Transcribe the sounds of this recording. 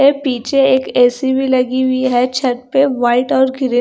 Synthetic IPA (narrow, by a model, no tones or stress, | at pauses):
epiːt͡ʃeeːkɛːsibʱilɐɡiwiɦɛt͡ʃʰɐʈ̚peʋaːɪʈɔːɾɡʱɪɾi